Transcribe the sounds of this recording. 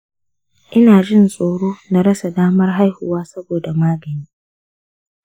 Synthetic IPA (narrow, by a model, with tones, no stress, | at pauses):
ʔɪ˦naː˨d͡ʒɪ˦˨nsʼoː˨ɽoː˦na˨ɽɐ˦sa˨daː˦mɐ˦rɦa˦jhʊ˨waː˦sɐ˦boː˨da˨maː˦ɡɐ˨niː˦